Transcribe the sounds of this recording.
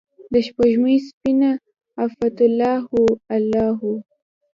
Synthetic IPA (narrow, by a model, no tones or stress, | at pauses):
d̪əʃpaʒməspina | afat̪lːɑhualɑɦu